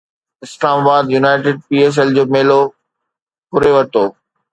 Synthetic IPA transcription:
ɪslaːmaːbaːd̪junaːɪʈɪɖ̚piːeːs̬ɛld͡ʑoːmeːlo | pʊɾeʋɐɾt̪oː

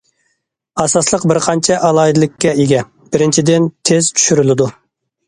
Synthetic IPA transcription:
ɑsɑslˠəqbɪɾqʰɑnt͡ʃʰɛʔɑlˠɑid̪ɨlˠɪkʲːɛeɡʲɛ | b̥ɪɾɪnt͡ʃʰid̪ɪnt̪ʰez̥t͡ʃ̪ʰy̥ʃyɾylɪd̪u

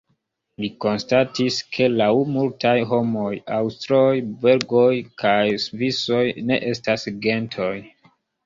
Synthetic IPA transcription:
liko̞nstatiskʰe̞lawmultajɦo̞mo̞jawstɾojbe̞ɾɡo̞jkʰajsviso̞jne̞̰ʔe̞stasɡe̞ntʰo̞j

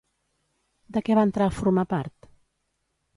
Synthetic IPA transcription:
d̪əkɛβaənt̪ɾaəfuɾmapaɾt̪

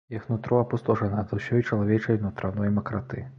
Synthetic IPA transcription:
jaxnut̪ɾɔɐpust̪ɔʐɐnɐzɐwsʲɔjt͡ʂɐlˠavʲɛt͡ʂɐjnut̪ɾanɔjmɐkɾat̪ɨ

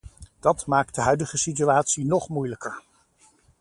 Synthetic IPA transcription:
d̥ɑtmaːk̚t̚dəɦœɥdəχəsit̬yaːtsinɔχmujləkəɹ

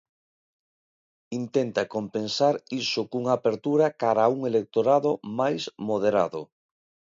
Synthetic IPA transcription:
int̪ent̪akompensaɾisʊkuŋapeɾt̪uɾakaɾauŋelek̚t̪oɾaðomajsmoðeɾa̰ðʊ

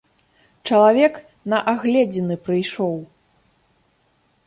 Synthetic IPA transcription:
t͡ʂɐlˠavʲɛk | nɐʔaɣlʲɛd͡zʲinɨpɾɨjʂɔw

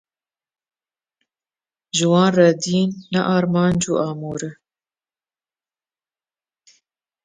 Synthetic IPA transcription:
ʒɨwɑːnrɑd̪iːnːɛʔɑːɾmɑːnd͡ʒṵːʔɑːmuːɾɨ

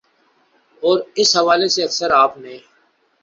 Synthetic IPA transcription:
ɔːɾɪsɦɐʋaːleseɐksəɾaːpnẽː

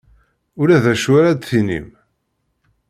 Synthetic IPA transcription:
ʊɾæðæʃwæɾæd̪θinḭm

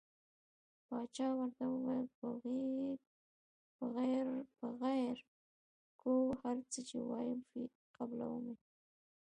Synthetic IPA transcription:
pɑt͡ʃɑwaɾt̪awəwapəɣe | bəɣaɾpəɣajɾ | kowhaɾt͡sət͡ʃḛwɑ̰jəmfi | qabla̰wəme

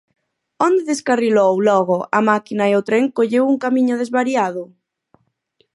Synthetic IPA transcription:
ond̪eðeskarilowlɔɣ̞oʔamakinaeot̪ɾeŋkoʎewuŋkamĩɲoð̞ezβaɾjaðo

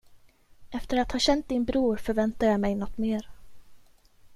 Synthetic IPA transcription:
ʔɛft̪əɾat̪hɑːɕɛnt̪̚d̪ɪnbɾuːɾfœɾvɛnt̪ajamɛjnɔt̪ːmeːɾ

